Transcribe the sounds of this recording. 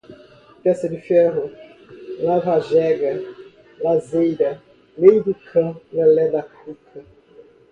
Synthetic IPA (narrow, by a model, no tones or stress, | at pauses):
pɛsɐd̪ɪfɛɦʊ | lavaʒɛɡɐ | lazejɾɐ | lejd̪ʊkʰɐ̃nɐlɛd̪akukʰɐ